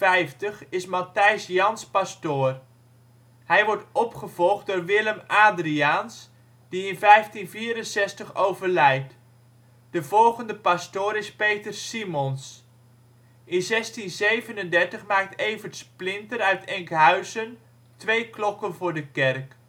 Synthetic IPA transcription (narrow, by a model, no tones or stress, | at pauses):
ɛjftəχɪsmɑtɛjsjɑnspastʊːr | hɛjʋɔɹtɔpχəv̥ɔlˠχt̚dʊːɹʋɪləmaːdriaːns | d̥iɪnvɛjftinviːɾənsɛstəχowvərlɛjt | d̥əvɔlˠχəndəpastʊːɾɪspejtərsimɔns | ʔɪnzɛstinzejvənəndɛɹtəχmaːk̚tejvəɹtsplɪntəɾœɥtɛŋkɦœɥzən | tʋejklɔkənvʊːɹdəkɛrk